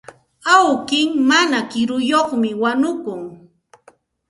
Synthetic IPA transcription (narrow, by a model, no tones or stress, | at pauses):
awkɪŋmanakɪɾʊjoχmɪwanʊkʊŋ